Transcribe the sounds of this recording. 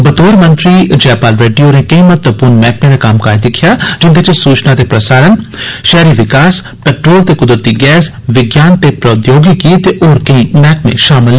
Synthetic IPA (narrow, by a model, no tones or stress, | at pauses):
bət̪oːɾmə̃nt̪ɾiːd͡ʒɛːpaːlɾeːɖijoːneːkəĩːmət̪əpʊɾnmɛːk̚mẽːd̪aːkamkaːed̪ɪkʰjaːd͡ʒɪnd̪et͡ʃsuːt͡ʃnãːt̪eːpɾəsaːɾənʃɛːɾiːʋɪkaːs | pɛːʈɾoːlt̪eːkʊd̪ɾət̪iːɡɛːs | ʋɪɡjaːnt̪eːpɾəʊt̪joːɡikiːt̪eːʔoːɾkəĩːmɛːk̚mḛ̃ʃaːmɪlː